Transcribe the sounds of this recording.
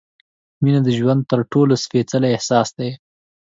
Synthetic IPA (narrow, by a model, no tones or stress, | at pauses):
minad̪əʒwand̪̚t̪əɾʈolosfet͡salaɪhsɑsd̪aj